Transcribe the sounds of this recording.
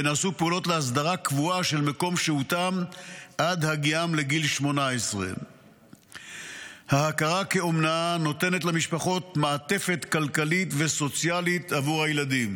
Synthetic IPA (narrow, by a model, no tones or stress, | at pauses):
enaːsupeulo̞tleas̬d̪aʁakvuaʃe̞lmeko̞mʃeutamʔad̪haɡiamle̞ɡilʃmo̞naesʁḛ | hahakaʁakeomnaano̞te̞net̬lamiʃpaχo̞t̪maːte̞fe̞tkalkalitveso̞t͡sjalit̪avuʁhajelad̪im